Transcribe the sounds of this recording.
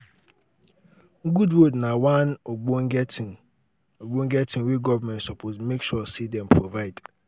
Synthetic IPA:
ŋ̩ɡudwodnãwãnoɡ͡boŋɡɛtʰɪ̃n | oɡ͡bõŋ̩ɡɛtʰɪ̃nweɡɔvmɛ̃nsɔpʰosmekʃuɔsidɛ̃npʰɹovaɪd

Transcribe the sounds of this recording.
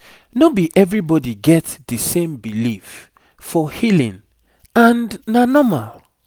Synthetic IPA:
nobiʔɛvɹibɔdiɡɛtdəsẽmbilif | fɔhilḭ̃n | ãnnanɔmal

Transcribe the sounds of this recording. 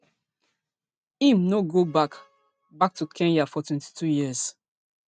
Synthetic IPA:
ĩmnoɡobak | bak̚tukʰɛ̃njafɔtʰwɛ̃nti̥tʰujiəz̥

